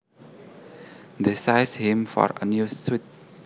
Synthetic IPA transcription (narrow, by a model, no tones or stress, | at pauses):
d̪esaɪshĩmfɔ̰ɹənjuswit̚